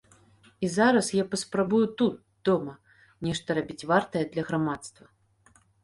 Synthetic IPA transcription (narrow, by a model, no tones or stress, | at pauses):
izaɾɐsjapɐspɾabujut̪ut̪̚ | d̪̥ɔmɐ | nʲɛʂt̪ɐɾabʲit͡sʲvart̪ɐjɛd̪lʲɐɣɾamat̪st̪vɐ